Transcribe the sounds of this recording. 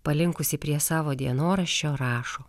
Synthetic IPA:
pɐlʲɪŋkʊsʲɪpʲɾʲiɛsɑːʋoːd̪ʲiɛnoːɾɐʃʲt͡ʃʲoːɾɑːʃoː

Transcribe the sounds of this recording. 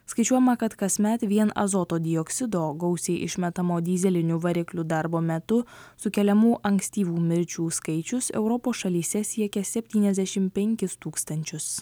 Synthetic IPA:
skɐɪt͡ʃʲuɔjɛmɐkɐt̪kɐsʲmʲɛt̪ʋʲiɛnɐ̰zot̪oːd̪ʲɪɔksʲɪd̪oːɡɒʊsʲɛɪʔɪ̰ʃʲmʲɛt̪ɐmoːd̪ʲiːzʲɛlʲɪnʲʊʋɐɾʲɪklʲʊd̪ɑɾboːmʲɛt̪ʊsʊkʲɛlʲɛmuːʔɐŋksʲt̪ʲiːʋuːmʲɪɾʲt͡ʃʲuːskɐɪt͡ʃʲʊsɛ̰ʊɾɔpoːsʃɐlʲiːsʲɛsʲiɛkʲɛsʲɛpʲt̪ʲiːnʲɛzʲd̪ʲæʃʲɪmpʲɛŋʲkʲɪst̪uːkst̪ɐnʲt͡ʃʲʊs

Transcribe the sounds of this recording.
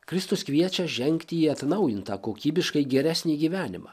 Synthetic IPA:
kɾʲɪst̪ʊskʋʲiɛt͡ʃʲɛʒʲɛŋʲkʲt̪ʲiiɐt̪nɐʊjɪnt̪ɐkoːkʲiːbʲɪʃkɐɪɡʲɛɾʲæːsʲnʲiːɡʲiːʋʲæːnʲɪmɑ̰ː

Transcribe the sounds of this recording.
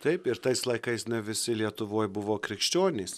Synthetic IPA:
t̪ɐɪpɪɾt̪ɐɪslˠɐɪkɐɪsnʲɛʋʲɪsʲɪlʲiɛt̪ʊʋoːjbʊʋoːkɾʲɪkʃʲt͡ʃʲoːnʲeːs

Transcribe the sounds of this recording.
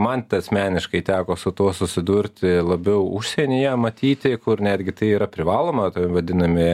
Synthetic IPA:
mɐntt̪ʲɐsʲmʲæːnʲɪʃkɐɪt̪ʲæːkoːsʊt̪uɔsʊsʲɪd̪ʊɾʲt̪ʲɪlˠɐbʲɛʊʊʃʲsʲɛnʲɪjɛmɐt̪ʲiːt̪ʲɪkʊɾnʲæːd̪ʲɡʲɪt̪ɐɪiːɾɐpʲɾʲɪʋɑːlˠoːmɐt̪ɐʋɐd̪ʲɪnɐmʲɪ

